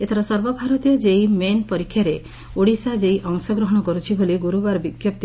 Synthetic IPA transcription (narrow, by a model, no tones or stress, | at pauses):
et̪ʰɔɾɔsɔɾbɔbʱaɾɔt̪ijɔd͡ʒejmenpɔɾikʰːjaɾe | oɽisad͡ʒejʔɔŋsɔɡɾɔɦɔɽ̃ɔkɔɾut͡ʃʰiboliɡuɾubaɾɔbiɡjɔpt̪i